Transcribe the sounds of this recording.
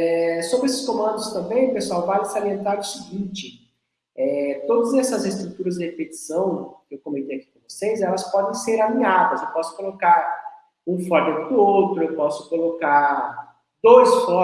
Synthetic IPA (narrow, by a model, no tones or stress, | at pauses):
ɛsobɾesɪ̥skõmɐ̃nd̪ʊst̪ɐ̃mbẽj̃ʊpesuawvalɪsɪaɾiẽnt̪aɾʊsiɡĩt͡ʃɪ | ɛt̪od̪ɐzɛsɐzest̪ɾut̪uɾɐzd͡ʒɪhepet͡ʃi̥sɐ̃w̃kɪewkõmẽnt̪ejaki̥kõvosejzɛlɐspɔd̪ẽj̃seɾanĩadɐzewpɔsʊ̥kolokaɾ | ũfɔɾd͡ʒɐʊowt̪ɾʊewpɔsʊ̥kolokaɾ | d̪ojsfɔ